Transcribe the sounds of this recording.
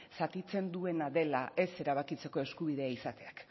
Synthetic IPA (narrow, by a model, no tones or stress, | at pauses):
sat̪it͡se̞nd̪ue̞naðe̞laʔe̞se̞ɾaβ̞akit͡se̞ko̞e̞skuβ̞iðe̞aisat̪e̞ak